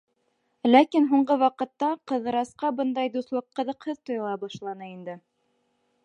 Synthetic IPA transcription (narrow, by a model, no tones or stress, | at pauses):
lækinɦuɴɢɤwɑqɤ̆t̪ːɑqɤ̆ðɤ̆ɾɑsqɑbɤnd̪ɑjd̪uslˠɤqːɤ̆ðɤ̆qhɤðt̪ŏjlˠɑbɑʃlˠɑnɤind̪ɘ